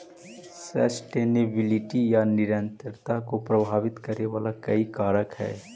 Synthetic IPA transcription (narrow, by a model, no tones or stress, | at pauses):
sə̰sʈeːnebɪlɪʈijanɪɾə̃nt̪əɾt̪akopɾəbʱaːʋɪt̪kəɾeʋaːlakɐikaːɾəkɦɛ̰ː